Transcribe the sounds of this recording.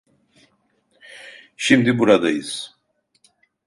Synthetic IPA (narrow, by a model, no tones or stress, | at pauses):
ʃimd̪ibuɾad̪ajɯz̥